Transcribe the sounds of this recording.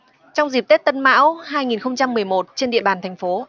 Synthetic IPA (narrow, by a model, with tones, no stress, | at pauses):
t͡ɕɔ˧wŋ͡mzi˨˩p̚t̪e˦˥t̚t̪ə˧nma̰ː˧˥wɦaː˧jŋi˨˩nxə˧wŋ͡mt͡ɕa˧mːɨ˨˩əjmo˨˩t̚t͡ɕe˧nɗḭ˧˨əɓaː˨˩nt̪ʰɛ˨˩ŋ̟fo˨˦